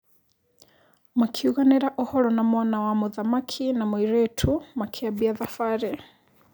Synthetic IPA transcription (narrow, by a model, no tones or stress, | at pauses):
makʰiuɣanɛɾaʔɔhɔɾɔnamɔnawamuðamakʰinamɔiɾɛtʰumakʰiabiaðafaɾɛ